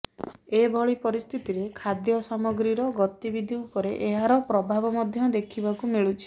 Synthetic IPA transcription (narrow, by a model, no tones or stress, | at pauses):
ebʱɔɭipɔɾist̪ʰit̪iɾekʰad̪jɔsamɔɡɾiɾɔɡɔt̪ibid̪ʱiupɔɾeʔeɦaɾɔpɾɔbʱabɔmɔd̪ʱjɔd̪ekʰibakumeɭut͡ʃʰi̥